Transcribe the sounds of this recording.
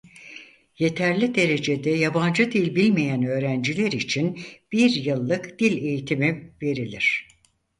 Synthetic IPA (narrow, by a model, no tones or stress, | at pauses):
je̞t̪ʰæɾlʲid̪e̞ɾe̞d͡ʒe̞d̪ɛjaband͡ʒɯd̪ilʲbilʲmejænø̞ːɾænd͡ʒilʲeɾit͡ʃʰinb̥iɾjɯlˠːɯkd̪̥ilʲe̞jit̪ʰimive̞ɾilʲiɾ̝̥